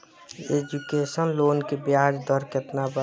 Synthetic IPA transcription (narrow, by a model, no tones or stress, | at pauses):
eːd͡ʒukeːsənloːnkebjaːd͡ʒd̪ʱɔɾket̪nabə